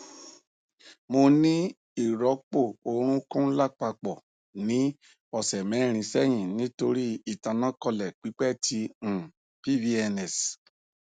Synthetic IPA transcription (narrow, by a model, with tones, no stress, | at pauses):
mo˧nĩ˦ | i˨ɾɔ˨˦k͡po˦˨o˨ɾ̃ũ˦kũ˦la˦˨k͡pa˧k͡pɔ˨ | nĩ˨˦ | ɔ˨sɛ˨mɛ˨˦˨ɾ̃ĩ˨˧sɛ˦j̃ĩ˨nĩ˨˦to˧ɾi˦i˨tã˧nã˦kɔ˧lɛ˨k͡pi˨˦k͡pɛ˦˨tʰĩ˧˨ | pi˦vi˦ɛ˧nɛ˨s